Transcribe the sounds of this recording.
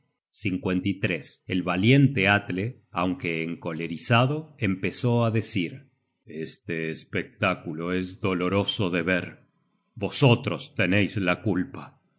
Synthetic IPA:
siŋkwe̞nt̪it̪ɾeselβalje̞nt̪eat̪le | a̰wŋkeːŋko̞leɾisaðo̞empeso̞aðesiɾ | est̪eːspek̚t̪akuloezðo̞lo̞ɾo̞so̞ðeβeɾ | bo̞sot̪ɾost̪enejzlakulpa

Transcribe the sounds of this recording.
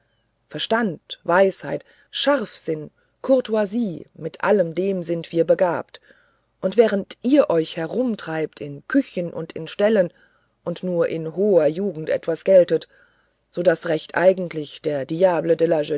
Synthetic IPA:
fɛɐʃtantv̥aɪshaɪt | ʃaʁfz̥ɪn | kʰʊɐtuaziːmɪtʔa̰ləmdeːmzɪntv̥iːɐbəɡaːpt | ʔʊntv̥ɛːʁ̞əntʔiːɐʔɔʏçhɛʁʊmtʁ̥aɪptʰɪnkʰʏçənʔʊ̰ntɪnʃtɛlən | ʔʊntnuːɐʔɪnɦoːɐjuːɡŋ̩tʔɛ̰tv̥asɡ̥ɛltət | z̥oːdasʁɛçtʔa̰ɪɡŋ̩tʰlɪçd̥eːɐdijaːblədɛlaʒə

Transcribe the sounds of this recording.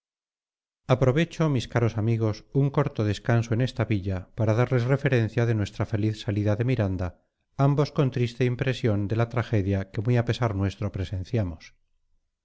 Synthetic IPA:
apɾo̞β̞e̞t͡ʃomiskaɾo̞samiɣ̞o̞suŋko̞ɾt̪oðe̞skanso̞ene̞st̪aβiʎapaɾaðaɾle̞sre̞fe̞ɾe̞n̟θjaðe̞nwe̞st̪ɾafe̞liθsaliðaðe̞miɾand̪a | ambo̞sko̞nt̪ɾist̪e̞impɾe̞sjo̞nd̪e̞lat̪ɾaxe̞ðjake̞mujape̞saɾnwe̞st̪ɾo̞pɾese̞nθjamos

